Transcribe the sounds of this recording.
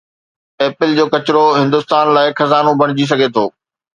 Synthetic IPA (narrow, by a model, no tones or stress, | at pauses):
eːpɪld͡ʑoːkɐt͡ɕɾoɦɪ̃nd̪ʊst̪aːnlaːɪxɐzaːnobʱɐɽ̃ɪd͡ʑis̬ɐɡʱet̪ʰoː